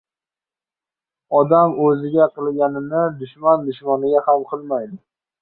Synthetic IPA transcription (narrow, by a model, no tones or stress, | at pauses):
ɒd̪amɵzɪɡʲaqʰɨlˠɡʲanɪnɪd̪ʊʃmand̪ʊʃmanɪɡʲahamqʰɨlˠmajd̪ɪ